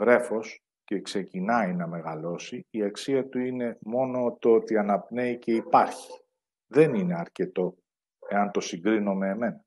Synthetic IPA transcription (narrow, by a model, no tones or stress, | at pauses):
vɾe̞fo̞s | ce̞kse̞cinɐinɐme̞ɣɐlo̞siiɐksiɐt̪uine̞mo̞no̞t̪oot̪iɐnɐpne̞ice̞ipɐɾçi̥ | ðe̞nine̞ɐɾce̞t̪o̞ | e̞ɐnt̪o̞siŋɡɾino̞me̞ːme̞nɐ